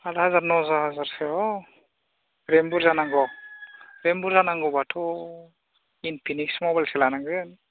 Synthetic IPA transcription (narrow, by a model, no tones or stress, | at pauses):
alazaɾnozazaɾfeɦo | rembuɾzanaŋɡo | rembuɾzanaŋɡobatʰo | inipiniksmobalselanaŋɡeani